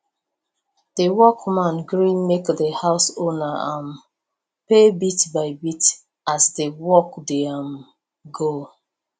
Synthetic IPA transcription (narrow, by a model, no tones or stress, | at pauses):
dəwɔkmãnɡɹĩnmekdəhaʊsonaãm | pebitbaɪbit | asdewɔkdeam | ɡo